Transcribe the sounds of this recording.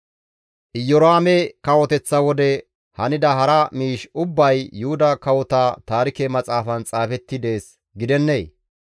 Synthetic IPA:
ʔɪjɔɾaːmɛkɐwɔt̪ɛt͡sːɐwɔd̪ɛ | hɐnɪd̪ɐɦɐɾɐmiːʃʊbːɐjːʊhʊd̪ɐkɐwɔt̪aːt̪aːɾɪkɛmɐt͡sʼaːfɐnt͡sʼaːfɛt̪ːɪd̪e̞ːs | ɡɪd̪ɛnːeː

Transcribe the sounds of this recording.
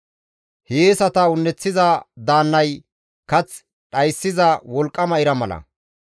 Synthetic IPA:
heːsɐt̪ɐʊnːɛt͡sːɪzɐd̪aːnːɐj | kɐt͡s | ᶑɐjsːɪzɐwɔlkʼːɐmɐɪɾɐmɐlɐ̰

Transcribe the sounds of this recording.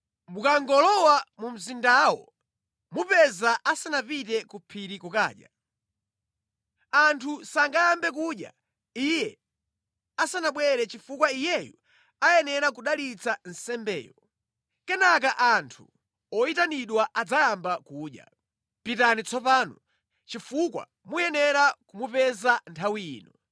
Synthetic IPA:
mukaŋɡɔlɔwamum̩zindawɔ | mupɛzaʔasanapitɛkupʰiɾikuka̰ːɗja̰ | antʰusaŋɡajambɛk̬uɗja̰ | ijɛ | asanaɓwɛɾɛt͡ʃifukwaijɛjṵ | ajɛnɛɾakuɗalit͡sʰan̩sɛmbɛ̰ːjɔ | kɛnak̬aʔantʰu | ɔitaniɗwaʔad͡zajambakuːɗja̰ | pitanit͡sʰɔpaːnɔ | t͡ʃifukwa̰ | mujɛnɛɾakumupɛzantʰawiiːnɔ

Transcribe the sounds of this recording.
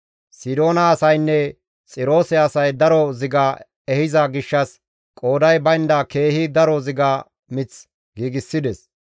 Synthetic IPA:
sɪd̪o̞ːnɐːsɐjnːɛ | t͡sʼɪɾo̞ːsɛɐsɐjd̪ɐɾɔzɪɡa | ɛhɪzɐɡɪʃːɐs | kʼo̞ːd̪ɐjbɐjnd̪ɐke̞ːhid̪ɐɾɔzɪɡaː | mɪt͡s | ɡiːɡɪsːɪd̪ɛs

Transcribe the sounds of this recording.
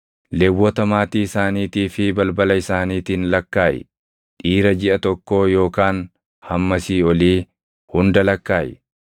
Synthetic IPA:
lɛwːɔt̪ɐmaːt̪iːɪsaːniːt̪iːfɪbɐlbɐlɐɪsaːniːt̪iːnlɐkːaːʔɛ̰ | ᶑʼiːɾɐd͡ʒɪʔɐt̪ɔkːo̞ːjo̞ːkaːn | hɐmːɐsiːɔliː | hʊnd̪ɐlɐkːaːjɛ

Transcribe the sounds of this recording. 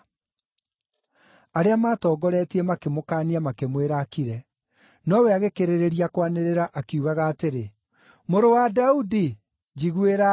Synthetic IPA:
aɾeamaːtɔːɡɔɾɛːtiɛmakemokaːniamakemweɾaːkiɾɛ | nɔwɛaɣekeɾeɾeɾiakwaneɾeɾaʔakiuɣaɣaːteɾe | moɾowadaudi | d͡ʒiɣweɾa

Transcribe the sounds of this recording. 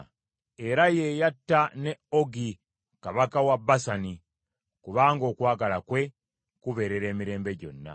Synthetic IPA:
e̞ɾaje̞ːjatːane̞oɡi | kaβakawabːasani | kuβaːŋɡo̞ːkwaːɡalakwe̞ | kuβe̞ɾe̞ɾe̞ːmiɾe̞ːmbe̞ɟo̞̰nːa̰

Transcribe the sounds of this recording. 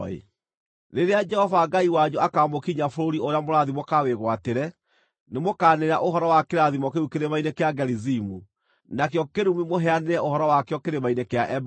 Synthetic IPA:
ḛ | ɾeɾead͡ʒɛhɔvaɡaiwaɲuakaːmokiɲafoɾoɾioɾeamoɾaðimokaweɣwateɾɛ | nemokaːneɾa̰ʔoɦɔɾɔwakeɾaðimɔkeɾukeɾemainekeaɡɛɾizimu | nakjɔkeɾumimoɦɛaneɾɛohɔɾɔwakjɔkeɾemainekeaʔɛb

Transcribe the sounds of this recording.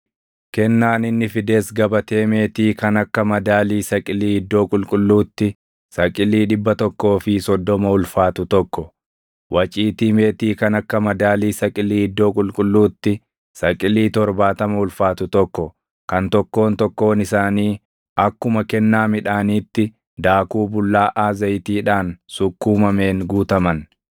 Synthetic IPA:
kɛnːaːnɪnːɪfɪd̪e̞ːsɡɐbɐt̪e̞ːme̞ːt̪iːkɐnɐkːɐmɐd̪aːliːsɐkʼɪliːɪd̪ːo̞ːkʼʊlkʼʊlːuːt̪ːɪ | sɐkʼɪliːᶑɪbːɐt̪ɔkːo̞ːfɪsɔd̪ːɔmɐʊlfaːt̪ʊt̪ɔkːɔ | wɐt͡ʃʼiːt̪iːme̞ːt̪iːkɐnɐkːɐmɐd̪aːliːsɐkʼɪliːɪd̪ːo̞ːkʼʊlkʼʊlːuːt̪ːɪ | sɐkʼɪliːt̪ɔɾbaːt̪ɐmɐʊlfaːt̪ʊt̪ɔkːɔ | kɐnt̪ɔkːo̞ːnt̪ɔkːo̞ːnɪsaːniː | ɐkːʊmɐkɛnːaːmɪᶑaːniːt̪ːɪ | d̪aːkuːbʊlːaːʔaːzɐjt̪iːᶑaːnsʊkːuːmɐme̞ːŋɡuːt̪ɐmɐn

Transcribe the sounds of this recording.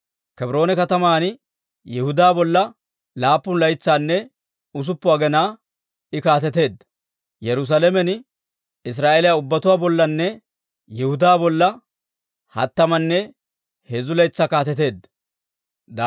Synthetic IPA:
kɛbɾo̞ːnɛkɐt̪ɐmaːn | jɛhʊd̪aːbɔlːɐ | laːpːʊnlɐjt͡sːaːnːɛ | ʊs̬ʊpːʊaɡɛnaː | ɪkaːt̪̬ɛt̪e̞ːd̪ | jɛɾʊs̬alɛmɛn | ɪs̬ɾaːʔeːlɪjaʊbːɐt̪ʊwaːbɔlːɐnːɛ | jɛhʊd̪aːbɔlːɐ | hɐ̰t̪ːɐmɐnːɛ | hezʊlɐjt͡sːaːkaːt̪ɛt̪e̞ːd̪ɐ | d̪

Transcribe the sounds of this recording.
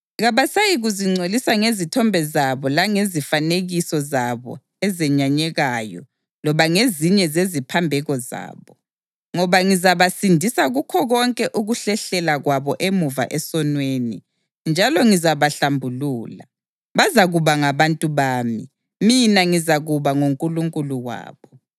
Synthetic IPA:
ɣaβasajiɣuziŋ͡ǀʱolisaŋezitʰɔmbʱɛzaβɔlaŋezifaneɣisɔzaβɔ̰ | ɛzɛɲaɲɛɣajɔ̰ | lɔβaŋeziɲɛzezipʰambʱɛɣɔza̰ːβɔ | ŋɔβaŋizaβasindʱisaɣukʰɔɣɔŋkʼɛʔuɣuɬɛɬɛlaɣwaβɔʔemuva̰ʔɛsɔnweːni | nd͡ʒʱalɔŋizaβaɬambʱuluːla | βazaɣuβaŋaβantʼuβaːmḭ | minaŋizaɣuβaŋuŋkʼuluŋkʼuluwa̰ːβɔ

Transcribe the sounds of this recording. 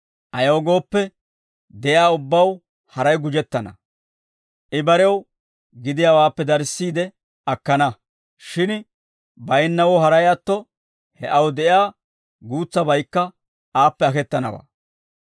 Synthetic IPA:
ʔɐjo̞ːɡo̞ːpːɛ | d̪ɛjaːʊbːɐw | hɐɾɐjɡʊd͡ʒɛt̪ːɐnɐ̰ | ʔɪbɐɾɛw | ɡɪd̪ɪjaːwaːpːɛd̪ɐɾsːiːd̪ɛ | ɐkːɐnɐ | ʃɪn | bɐjnːɐwɔɦɐɾɐjɐt̪ːɔ | hɛʔɐwd̪ɛʔjaː | ɡuːt͡sːɐbɐjkːɐ | aːpːɛɐkɛt̪ːɐnɐ̰wa̰ː

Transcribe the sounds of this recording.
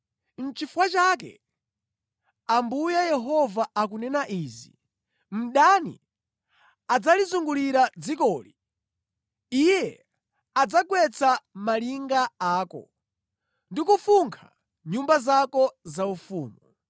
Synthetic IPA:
n̩t͡ʃifwat͡ʃaːk̬ɛ̰ | ambujajɛɦɔvaak̬unɛnaʔiːzi | m̩ɗanḭ | ad͡zalizuŋɡuliɾad͡zikɔːli | ijɛ | ad͡zaɡwɛt͡samaliŋɡaaːkɔ̰ | ndikufuŋkʰa̰ | ɲumbazakɔzaufuːmu

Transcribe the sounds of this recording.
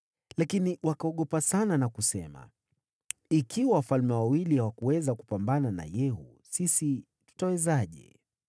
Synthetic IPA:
lakiniwakaɔɠɔpasananakusɛ̰ma̰ | ikʰiwawafalmɛwawilihawakuwɛzaku̥pambanana̰jɛɦṵ | sisi | tu̥tawɛzaʄɛ̰

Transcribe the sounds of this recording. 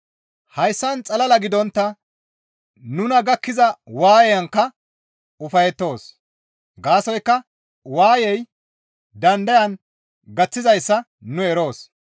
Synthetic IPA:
hɐjsːɐnt͡sʼɐlɐlɐɡɪd̪ɔnt̪ːɐ | nʊnɐɡɐkːɪzɐwaːjɛjɐŋkːɐ | ʊfɐjɛt̪ːo̞ːs | ɡaːsɔjkːɐ | waːjɛj | d̪ɐnd̪ɐjɐn | ɡɐt͡sːɪzɐjsːɐ | nʊɛɾo̞ːs

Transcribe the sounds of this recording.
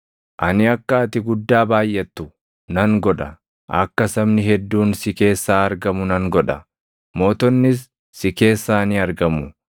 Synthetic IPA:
ʔɐnɪɐkːaːt̪ɪɡʊd̪ːaːbaːjʔɛt̪ːʊ | nɐŋɡɔᶑɐ | ʔɐ̰kːɐsɐbnɪhɛd̪ːuːnsɪke̞ːsːaːɐɾɡɐmʊnɐŋɡɔᶑɐ | mo̞ːt̪ɔnːɪs̬ː | ɪke̞ːsːaːnɪɐɾɡɐmʊ

